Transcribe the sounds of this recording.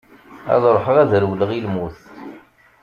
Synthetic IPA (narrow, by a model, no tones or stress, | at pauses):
æ̰ðˤɾˤoħəʁæðɾwləʁilmuθ